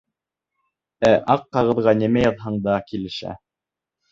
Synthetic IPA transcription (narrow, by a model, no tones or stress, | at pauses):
æʔɑqːɑʁɤ̆ðʁɑnimæjɑðɦɑɴd̪ɑkilɘ̆ʃæ̰